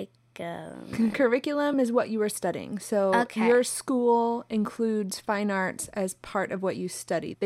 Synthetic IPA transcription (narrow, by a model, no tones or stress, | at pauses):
ɡ̥o̰kʰə˞ɪkjl̩ˠə̃mɨzwʌt͡ʃɨə˞stʌɾiɪ̰̃ŋsoʊojə˞skulˠɨ̃nkʰl̥ʉdz̥fãɪ̃nɑɹtsɨz̥pʰɑɹɾʌvwʌt͡ʃɨstʌɾḭð